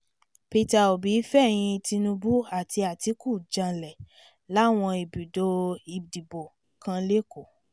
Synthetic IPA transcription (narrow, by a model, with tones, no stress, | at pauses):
pi˧ta˧o˨bi˨˦fɛ˦˨j̃ĩ˧ti˧nũ˧bu˦a˦˨ti˧a˨ti˧˦ku˦˨d͡ʒã˧lɛ˨ | la˨˦˨w̃ɔ̃˧i˨bi˨do˧˦i˨di˨bo˨ | kã˧le˦ko˦˨